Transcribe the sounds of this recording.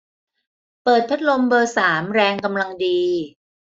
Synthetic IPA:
pɤː˨˩t̪̚pʰa˦˥t̪̚lo˧mbɤː˧saː˩˦mɾɛː˧ŋka˧mla˧ŋdiː˧

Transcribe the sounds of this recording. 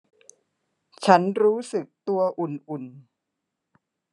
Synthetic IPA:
t͡ɕʰa˦˥nɾuː˦˥sɯ˨˩k̚t̪u˧ɐʔu˨˩nʔu˨˩n

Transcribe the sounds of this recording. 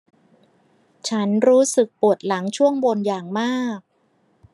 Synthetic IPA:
t͡ɕʰa˦˥nɾuː˦˥sɯ˨˩k̚pu˨˩ət̪̚la˩˦ŋt͡ɕʰu˥˩əŋbo˧njaː˨˩ŋmaː˥˩k̚

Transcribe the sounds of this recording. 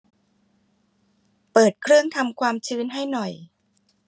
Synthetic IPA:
pɤː˨˩t̪̚kʰɾɯ˥˩əŋt̪ʰa˧mkʰwaː˧mt͡ɕʰɯː˦˥nɦa˥˩jnɔ˨˩j

